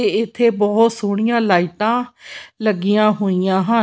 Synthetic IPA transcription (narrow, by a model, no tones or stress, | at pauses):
eɪt̪ʰːeːbɔːt̪suːɽɪjãːlaːiʈãːləɡijãːɦoːijãːɦə